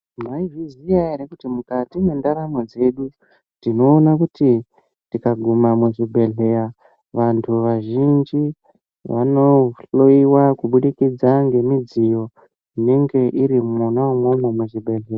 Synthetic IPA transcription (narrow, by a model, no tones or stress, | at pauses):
maiʐizijaeɾekutimukatimwe̞ndaɾamod͡ze̞ɗu | tino̞ːnakuti | tikaɡʱumamweʐibʱe̞ɮe̞ɾa | ʋantʰuʋaʒind͡ʒi | ʋa̰no̞ɬoiwakuɓuɗikid͡zaŋɡe̞mid͡zijo̞ | ine̞ŋɡe̞ʔiɾimunawomwomomeʐibʱe̞ɮera